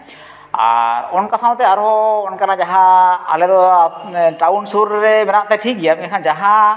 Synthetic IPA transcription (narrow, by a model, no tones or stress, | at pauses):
a̰ɾɔnkasanɔt̪ɛaɾɦɔːnkanad͡ʒaɦaa̰lɛd̪ɔ | ʈaunsuɾɾɛmɛnaʔ̚t̪ɛʈʰik̚ɡijainkʰand͡ʒaɦa